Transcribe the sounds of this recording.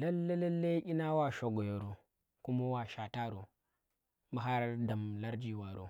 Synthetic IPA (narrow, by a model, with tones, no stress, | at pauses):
la˦lːe˦le˦lːe˦i˦na˦wa˨ʃo˨ɡo˨jo˨ɾo˨ | ku˦mo˦wa˨ʃa˨ta˦ɾo˨ | ma˨ɦa˦ɾda˨mla˦ɾd͡ʒi˦wa˨ɾo̰˨